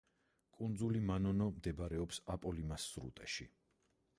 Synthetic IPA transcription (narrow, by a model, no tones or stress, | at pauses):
kʼund̪zulimanɔnɔmd̪ɛbaɾɛɔpsapʼɔlimasːɾṵt̪ʼɛʃḭ